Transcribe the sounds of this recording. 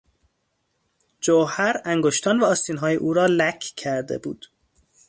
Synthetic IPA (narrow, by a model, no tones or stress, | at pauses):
d͡ʒohæɾæŋɡoʃt̪ʰɒːnvæɒːst̪iːnɦɒːjeʔuːɾɒːlækʰcʰæɾd̪e̞̰bṵːd̪̥